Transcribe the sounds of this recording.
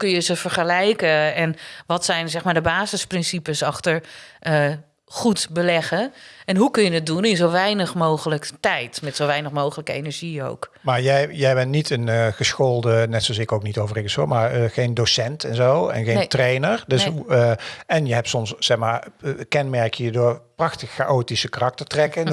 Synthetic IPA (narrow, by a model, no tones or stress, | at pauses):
ukønjəzəfərχəlɛjkəɛnʋɔtsɛjnzɛxmaːdəbaːzəsprɪnsipəsɑxtəɹə | xutbəlɛɣəɛnɦukɵnjənɪt̚dunɪnzowʋɛjnəxmoːɣələktɛjtmɛtsoʋɛjnəxmowɣələkəḛnəɹʒio̰wkmaːɹjɛjjɛjbɛntnitʰənɣəsxoːlˠdənɛtsosɪkowknitoːwvərɪɡəsomarəxejndosɛntɛnzowɛ̰nɣejntrejnəɹdøs | ɛnjəɦɛp̚tsɔmssɛxmaːɹkɛnmɛɹkʰjədʊːɹprɑxtəxːaʔoːtisəkarɑk̚təɹtrɛkən